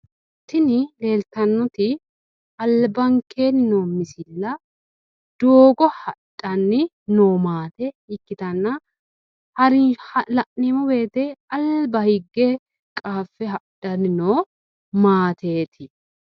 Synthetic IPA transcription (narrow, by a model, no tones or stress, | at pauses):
t̪ːɪnɪle̞ːlt̪ɐnːɔt̪ɪ | ɐlbɐŋkeːnɪnoːmɪsɪlːɐ | d̪̥oːɡɔhɐᶑʼɐnːɪ | noːmaːt̪ɛ | ɪkːɪt̪ɐnːɐ | hɐɾɪhɐlɐʔnimɔbe̞ːt̪ɛɐlbɐhɪɡːe | kʼaːfːɛɦɐᶑɐnɪnoː | maːt̪ʰe̞ːt̪ʰɪ